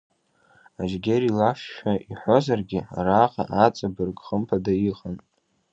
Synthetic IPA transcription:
aʒɡʲeɾilafʃᶣaiħʷozarɡʲɪaraqa̰ʔat͡sʼabɨrɡχəmpʰadajiχan

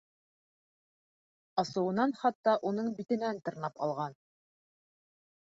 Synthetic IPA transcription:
ɑsɤ̆wɤ̆nɑnχɑt̪ːɑʔunɤɴbit̪ɘ̆nænt̪ɤ̆ɾnɑpɑ̰lˠʁɑn

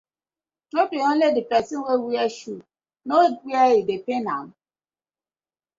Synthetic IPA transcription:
tɾopeon̩ledipɛsɪnwewiaʃu | nowiaidepena̰m̩

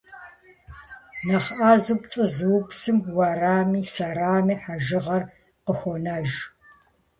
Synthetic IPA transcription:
nɐχʔaːzup̚t͡sʼɨzɨwʊpsɨmwɐraːmiːsɐɾaːmiːħaʒɪʁɐr | qəxʷɔnaʒ

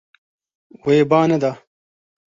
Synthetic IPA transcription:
wɐebaːnɐd̪aː

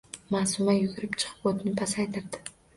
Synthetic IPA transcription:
masʊmajʊɡʲʊɾɪpt͡ʃʰɨ̥qʰɨ̥pot̪ɪnɪt̪ʰasajt̪ʰɪɾd̪ɪ̥

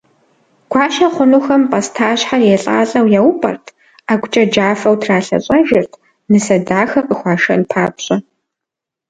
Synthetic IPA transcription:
ɡ̥ʷɑːʃɐχʷʊnuːxɐmpʼɐstʰaːɕħarjeɬʼa̰ːɬʼɐwjawpʼɐ̰rtʰ | aːɡʷʊt͡ʃʼɐd͡ʒaːfɐwtʰraːɬɐ̰ɕʼɐʒɪrtʰ | nɨsɐdaːxɐqʼəxʷɑːʃɐ̰npʰaːpɕʼɐ

